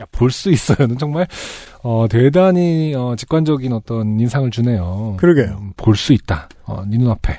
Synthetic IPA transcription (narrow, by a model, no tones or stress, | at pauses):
japoɭs͈uis͈ʌjonɯnt͡ɕʌŋmaɭ | ʌtwe̞daɲiʌt͡ɕi̥k͈wand͡ʑʌɡinʌt͈ʌninsʰaŋɯɭt͡ɕune̞jokɯɾʌɡepoɭs͈uit̚t͈a | ʌ̰ninunapʰe̞